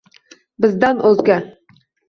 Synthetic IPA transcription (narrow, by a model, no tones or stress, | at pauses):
bɘ̆zd̪ænʔɵzɡʲæ